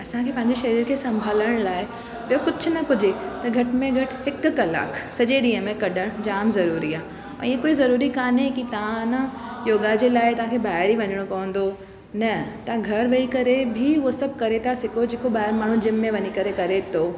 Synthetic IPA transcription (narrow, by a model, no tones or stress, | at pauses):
ɐsãkʰeːpɐ̃ɦɪ̃ɲd͡ʑeʃɐɾiːɾkʰeːsɐ̃mbʱaːləɽ̃laːɪ | bijokʊd͡ʑʰʱʊnɐpʊd͡ʑʱet̪ɐɡʱɐʈmẽɡʱɐʈhɪkkɐla̰ːksɐd͡ʑeɗĩːə̃mẽkɐɗəɽ̃d͡ʑaːmzɐɾuːɾiaːɦ | iẽkoːizɐɾuːɾikaːnɦekit̪ɐãnə | joːɡad͡ʑelaːɪt̪ɐʋ̤ãkʰeːbaːɪɾiʋɐɲɪɽ̃opɐʋə̃nd̪o | nɐt̪aɡʱɐɾʋɐikɐɾebʱiʋosɐb̚ʱkɐɾet̪ʰasɪkʰod͡ʑeːkoɓaːɦɪɾmaːɳ̤ũd͡ʑɪmːẽʋɐɲikɐɾekɐɾet̪ʰo